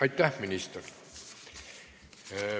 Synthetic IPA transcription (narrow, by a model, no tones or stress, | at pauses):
ɑit̪t̪æhminist̪er